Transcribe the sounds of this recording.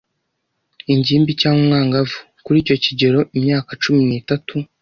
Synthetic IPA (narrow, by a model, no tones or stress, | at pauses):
iɲɟiːmbicaːŋwomŋaːŋɡavu | kuɾiːco̞ciɟe̞ɾo̞ʔimɲaːkat͡ʃuminiːtatu